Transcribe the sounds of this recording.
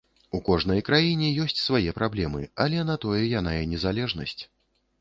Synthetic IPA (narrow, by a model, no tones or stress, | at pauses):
ukɔʐnɐjkɾajinʲɛjɔsʲt͡sʲsvajɛpɾablʲɛmɨɐlʲɛnɐt̪ɔjɛjanajɛnʲɛzalʲɛʐnɐsʲt͡sʲ